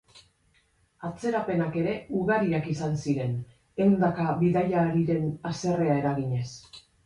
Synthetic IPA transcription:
at͡se̞ɾape̞nake̞ɾe̞uɣaɾiakisansiɾe̞n | e̞wnd̪akaβiðaʎaːɾiɾe̞nase̞re̞ae̞ɾaɣiɲe̞s

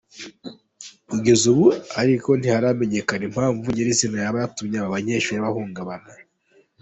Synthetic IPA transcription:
kuɡe̞zuβuaɾiko̞nihaɾame̞ɲe̞kanim̥haːɱvuɲeɾizinajaβajatumɲaβaβaɲe̞ːʃujaβahuːŋɡaβana

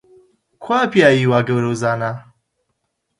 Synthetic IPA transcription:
kʰwapjaiwaɡəɾozana

